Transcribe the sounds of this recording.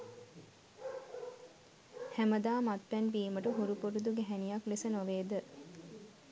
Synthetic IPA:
hæməd̪aːmat̪ʋɛnbiːməʈəɦuɾupuɾud̪uɡeɦænijɐklesənoʋeːd̪ə

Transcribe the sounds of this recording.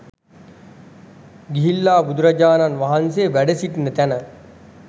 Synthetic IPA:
ɡiɦilːaːbud̪uɾad͡ʒaːnanʋaɦanseəʋæɖəsiʈinət̪ænə

